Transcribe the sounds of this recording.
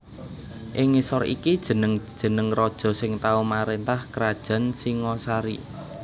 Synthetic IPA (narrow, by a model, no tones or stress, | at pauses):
ʔɪŋisɔɾḭkid̥ʒ̥ə̤nəŋd̥ʒ̥ə̤nəŋrɔd̥ʒ̥ɔ̤sɪŋt̪aumaɾent̪ahkɾad̥ʒ̥a̤nsiŋɔsaɾi